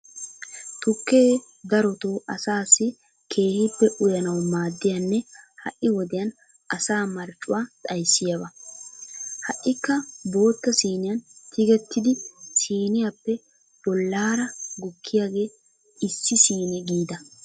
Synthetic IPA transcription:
t̪ʊkːeː | d̪ɐɾɔt̪oːʔɐsaːsːɪ | kʰe̞ːhɪpːɛʔʊjɐnɐwmaːd̪ːɪjɐnːɛhɐ̰ʔːɪwɔd̪ɛjɐn | ʔɐsaːmɐɾt͡ʃʼːʊwaːt̪ʼɐjsːɪjɐβɐ | hɐʔːɪkːɐbo̞ːt̪ːɐsiːnɪjɐnt̪ʰɪɡɛt̪ːɪd̪ɪsiːnɪjapːɛ | b̥ɔlːaːɾɐɡʊkʰːɪjaːɡe̞ː | ɪsːɪsiːnɛɡiːd̪ɐ

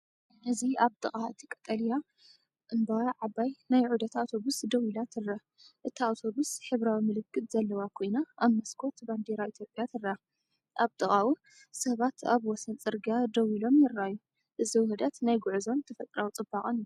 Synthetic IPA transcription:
ʔɨziaβt̪ʼɨχʼaɨt̪ʰɨkʼɐt̪ʼɐlija | ʔɨnbaʕabajnajʕud̪ɐt̪ʰawt̪ʰo̞βusd̪ɐwilat̪ʰɨrːa | ʔɨt̪ʰiawt̪ʰo̞βusħɨβɾawimɨlɨkːɨt̪ʼzɐlːɐwakʰo̞jnaʔaβmɐskʰo̞t̪band̪eɾait̪ʰjo̞pʼjat̪ʰɨrɐa | ʔaβt̪ʼɨχʼawu | sɐβat̪ʰa̰βwɔsɐnt͡sʼɨɾɡad̪ɐwilo̞mjɪɾajːu | ʔɨziwhɨd̪ɐt̪najɡuʕuzo̞nt̪ʰɐfɐt̪ʼɾawt͡sʼɨbakʼɨnu

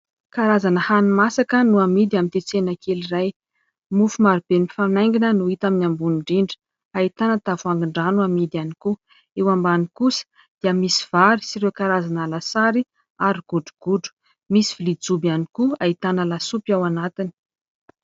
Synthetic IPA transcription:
kaɾazanəhanimasakənuamid̪iamint̪et͡senakʰeliraj | mufumaɾib̥enifanajŋɡinənuit̪aminambuniɳɖ͡ʐiɳɖ͡ʐə̥ | ait̪anət̪avuaŋɡiɳɖ͡ʐanuamid̪ianiku | ewambanikusə̥ | d̪̥iəmisi̥v̥aɾisiɾewkaɾazanalasaɾi | aɾiɡ̥uɖ͡ʐu̥ɡ̥uɖ͡ʐu̥ | misi̥vilid͡zubianikuait̪anəlasupjawanat̪ini̥

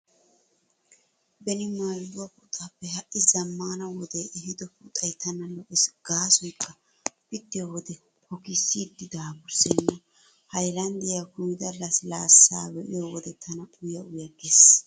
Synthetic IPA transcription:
bɛnɪmaːldʊwɐkʊt̪ʼːapːɛhɐʔɪzɐmːaːnɐwɔd̪ɛɛhɪd̪ɔput̪ʼɐjt̪ɐnɐlɔʔɛsɡ̥aːsɔjkːɐ | pɪt̪ːɪjowɔd̪ɛ | hɔkɪsːid̪ːɪd̪aːbʊsɛnːɐ | hɐjlɐnd̪ɪjakʊmɪd̪ɐlːɐslaːsːaːwɛʔɪjɔwɔd̪ɛt̪ʰɐnɐʔʊjɐʊjɐɡes

